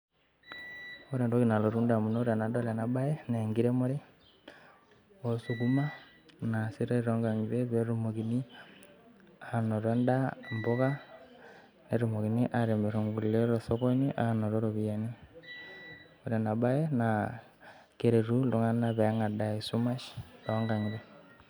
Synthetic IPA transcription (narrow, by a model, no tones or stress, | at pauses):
oɾendokinaloɾundamunoɾenadolenabajeneŋɡiɾemoɾe | osuɡuma | nasiɾeiɾoŋɡaŋɡiɾeβeɾumokini | anoɾendamboka | neɾumokiniʔaɾembeɾoŋɡulleɾosokoniʔanoɾoɾoβiani | oɾenabajena | keɾeɾuloŋanaβeŋadaisumaʃɾoːŋɡaŋiɾe